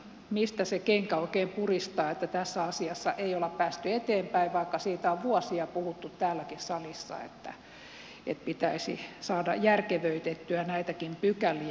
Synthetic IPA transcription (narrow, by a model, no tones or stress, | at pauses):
mist̪æsekeŋkæoikeːmpurist̪ɑːet̪ːæt̪æsːæɑsiɑsːɑ̰ʔeiolɑppæːst̪yet̪eːmpæiʋʋɑikːɑsiːt̪æoʋʋuɔsiɑpuhut̪ːut̪tæːlːækissɑlisːɑ̰ḛt̪ːæ̰ | et̪̚pit̪æisḭsɑːdɑ̰jjærkeʋøyt̪et̪ːyænæit̪ækimpykæli